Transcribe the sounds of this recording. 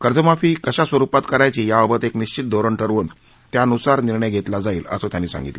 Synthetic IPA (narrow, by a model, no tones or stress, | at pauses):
kəɾd͡zəmafiːkəɕasʋəɾupat̪kəɾajt͡ɕiːjaəbət̪ekniɕt͡ɕit̪̚d̪ʱoɾəɳʈʰəɾʋən | t̪jaənusaɾniɾɳəjɡʱet̪lad͡zaiːlə̰soːt̪janːiːsa̰ŋɡit̪lə